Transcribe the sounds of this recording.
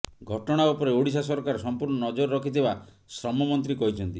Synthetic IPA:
ɡʱɔʈɔɽ̃aupɔɾeoɽis̬asɔɾkaɾsɔmpuɾɳɔnɔd͡ʒoɾɾɔkʰit̪ʰeba | sɾɔmɔmɔnt̪ɾikɔɦit͡ʃʰɔnt̪i

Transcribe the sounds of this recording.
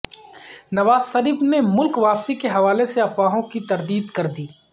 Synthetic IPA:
nɐʋaːzʃɐɾiːbnemʊlkʋaːpsikeɦɐʋaːleseɐfʋaːɦõkit̪ɐɾd̪iːd̪kɐɾd̪iː

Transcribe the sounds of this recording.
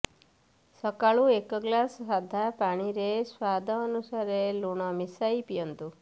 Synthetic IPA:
sɔkaɭuekɔɡlasɦad̪ʱapaɽ̃iɾeswad̪ʱɔːnusaɾeluɳ̃ɔmisajpijɔnt̪u

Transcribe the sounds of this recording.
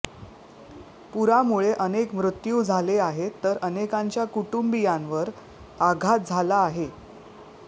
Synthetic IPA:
puɾamuɭeʔənekmɾut̪juːd͡zʱaleaɦet̪əɾənekãɲt͡ɕjakuʈumbijãnʋəɾ | aɡʱat̪̚d͡zʱalaːɦe

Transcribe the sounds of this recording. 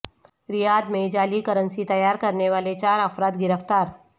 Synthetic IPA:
ɾɪjaːd̪mẽd͡ʒaːlikɐɾə̃nsit̪ɐjaːɾkɐɾneʋaːlet͡ʃaːɾɐfɾaːt̪ɡɪɾəft̪aːɾ

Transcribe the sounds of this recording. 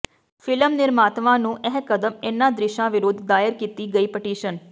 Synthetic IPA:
pʰɪləmnɪɾmaːt̪ʋãːnũːʔɛɦkəd̪əmɪnːãːd̪ɾɪʃãːʋɪɾʊd̪ːaːjəɾkiːt̪iːɡəiːpəʈiːʃən

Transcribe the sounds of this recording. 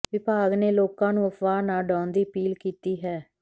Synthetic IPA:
ʋɪbʱaːɡneːloːkãːnũːəpʋaːnaːɖãːnd̪iːəpiːlkiːt̪iːɦɛː

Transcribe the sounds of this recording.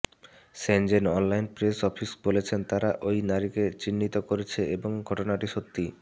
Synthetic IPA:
send͡ʑenɔnlajnpɾesɔfʰisbolet͡ɕʰent̪aɾaʔojnaɾiket͡ɕinːit̪okoɾet͡ɕʰeeboŋɡʱɔʈonaʈiʃot̪ːi

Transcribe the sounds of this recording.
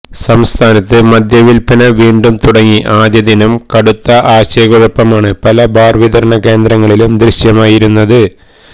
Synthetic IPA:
sɐmst̪ʰaːnɐt̪ːɨmɐd̪jɐʋilpʰɐnɐʋiːɳɖumt̪uɽɐŋːiʔaːd̪jɐðinɐmkɐɽut̪ːɐʔaːɕeːɡɐɻɐpːɐmaːɳɨpɐlɐbaːrʋid̪ɐɾɐɳɐke̞ːnd̪ɾɐŋːɐɭilumd̪ɾiɕjɐmaːjiɾunːɐðɨ

